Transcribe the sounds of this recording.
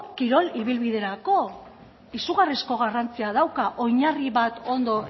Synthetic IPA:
kiɾo̞liβilβiðe̞ɾako̞ | isuɣarisko̞ɣ̞arant͡siað̞awkaʔo̞jɲariβat̪o̞nd̪o̞

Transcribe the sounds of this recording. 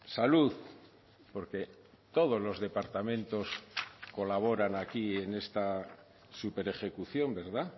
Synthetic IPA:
saluð | po̞ɾke̞ | t̪o̞ð̞o̞zlo̞zðe̞paɾt̪amẽnt̪o̞sko̞laβ̞o̞ɾanakie̞ne̞st̪a | supe̞ɾe̞χe̞kuθjo̞mbe̞ɾða

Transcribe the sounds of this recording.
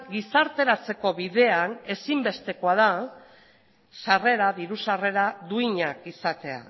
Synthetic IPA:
ɡisaɾt̪e̞ɾat͡se̞ko̞βiðe̞ane̞simbe̞st̪e̞ko̞aða | sare̞ɾaðiɾusare̞ɾaðuiɲakisat̪e̞a̰

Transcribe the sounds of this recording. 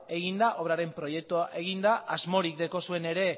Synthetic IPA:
e̞ɣ̞ind̪aʔo̞βɾaɾe̞mpɾo̞je̞k̚t̪uaʔe̞ɣ̞ind̪aʔazmo̞ɾikd̪e̞ko̞sue̞ne̞ɾe̞

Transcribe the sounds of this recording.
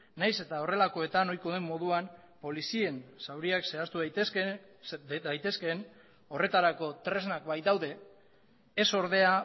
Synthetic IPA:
najse̞t̪ao̞re̞lako̞e̞t̪ano̞jko̞ðemːo̞ð̞uan | po̞lisie̞nsawɾiakse̞ast̪u | ajt̪e̞ske̞n | o̞re̞t̪aɾako̞t̪ɾe̞znak̚bajt̪awðe̞ː | so̞ɾðe̞a

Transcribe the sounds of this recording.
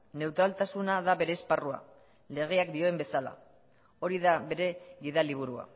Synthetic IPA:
ne̞wt̪ɾalt̪asunaðaβe̞ɾe̞ːsparua̰ | le̞ɣ̞e̞akd̪io̞embe̞sala̰ | o̞ɾiðaβe̞ɾe̞ɡiðaliβ̞uɾua̰

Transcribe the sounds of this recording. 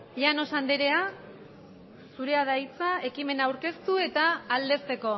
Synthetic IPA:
iano̞sand̪eɾe̞a | suɾe̞aðajt͡sae̞kime̞nawɾke̞st̪ue̞t̪aːld̪e̞st̪e̞ko̞

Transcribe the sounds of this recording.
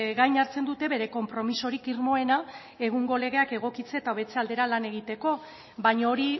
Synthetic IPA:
ɣajɲaɾt͡se̞nd̪ut̪e̞βe̞ɾe̞ko̞mpɾo̞miso̞ɾikiɾmo̞e̞na | e̞ɣ̞uŋɡo̞le̞ɣ̞e̞ake̞ɣ̞o̞kit͡seːt̪aoβe̞t͡se̞ald̪e̞ɾalane̞ɣ̞it̪e̞ko̞ | bajɲaoɾi

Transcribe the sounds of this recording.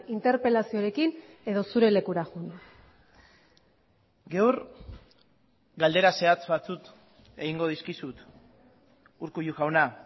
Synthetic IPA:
int̪e̞ɾpe̞lasioɾe̞kine̞ðo̞suɾe̞le̞kuɾaɣun | ɡewɾ | ɡald̪e̞ɾase̞at͡sβat͡sut̪ | e̞ɣiŋɡo̞ð̞iskisut̪ | uɾkuʎuɣawna

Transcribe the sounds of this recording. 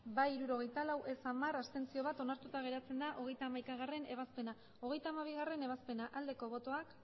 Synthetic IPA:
bajiɾuɾo̞ɣ̞e̞jt̪alawʔe̞samarast̪e̞nt͡sio̞β̞at̪o̞naɾt̪ut̪aɣ̞e̞ɾat͡se̞nd̪aʔo̞ɣ̞e̞jt̪aːmajkaɣ̞are̞ne̞βaspe̞na | o̞ɣ̞e̞jt̪aːmaβ̞iɣ̞are̞ne̞β̞aspe̞naʔald̪e̞ko̞βo̞t̪o̞ak

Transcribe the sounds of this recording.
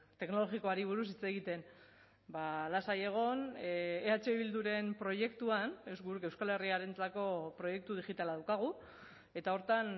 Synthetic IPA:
t̪e̞kno̞lo̞ɣiko̞aɾiβ̞uɾusit͡se̞ɣit̪e̞n | balasaje̞ɣ̞o̞neat͡ʃe̞iβild̪uɾe̞mpɾo̞je̞kt̪uane̞zɡuɾeke̞wskale̞riaɾe̞nt͡sako̞pɾo̞je̞k̚t̪uðixit̪alaðawkaɣ̞u | e̞t̪ao̞ɾt̪an

